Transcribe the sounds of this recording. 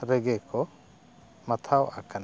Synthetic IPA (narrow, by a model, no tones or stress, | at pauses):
ɾɛɡɛkɔ | mat̪ʰawa̰kan